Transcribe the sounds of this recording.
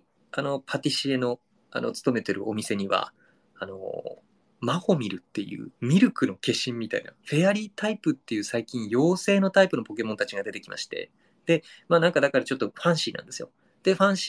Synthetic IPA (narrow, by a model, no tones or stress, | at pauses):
ano̞pʰat̪ʲiɕie̞no̞ | a̰no̞̰t͡sɨ̥t̪o̞me̞t̪e̞ɾɯ̟̰ʔo̞mʲise̞ɲ̟iβa̰ | ano̞̰ | maho̞mʲiɾɯ̟t̪ːe̞jɯ̟̰ːmʲiɾɯ̟kɯ̟no̞ke̞ɕĩmːʲit̪aina̰ɸe̞aɾʲiːt̪aipɯ̟t̪ːe̞jɯ̟ːsaikʲĩɰ̃jo̞ːse̞ːno̞t̪aipɯno̞po̞ke̞mõ̞nt̪at͡ɕiɡad̪e̞t̪e̞kʲimʔa̰ɕi̥t̪e̞̰ | d̪̥e̞maːnãŋkad̪akaɾat͡ɕo̞t̪ːo̞ɸãɰ̃ɕiːnã̰nd̪esɨjo | d̪̥e̞ɸãɰ̃ɕ